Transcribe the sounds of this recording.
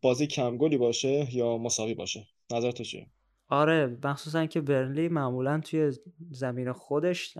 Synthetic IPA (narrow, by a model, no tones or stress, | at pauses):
b̥ɒːzicʰæmɡoliːbɒːʃejɒːmosɒːviːbɒ̰ːʃe | næzæɾt̪ʰut͡ʃʰḭjḛ | ɒːɾe̞mæxsuːs̬æniŋcʰebe̞ɾnliːmæʔmuːlænt̪ʰuje̞zæmiːnexod̪e̞ʃ